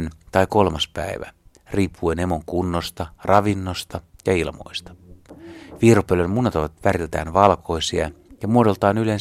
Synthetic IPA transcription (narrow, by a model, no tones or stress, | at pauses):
nt̪ɑjko̞lmɑspæ̰iʋæ̰ | riːpʰːuenemoŋkunːost̪ɑrʔɑʋinːost̪ɑjɑilmo̞̰jst̪ɑ̥ | ʋiːropølønmunːɑt̪oʋɑt̪ʋæɾilt̪æ̰ːnʋɑlko̞jsiɑ̰jɑmuodo̞lt̪ɑːnylen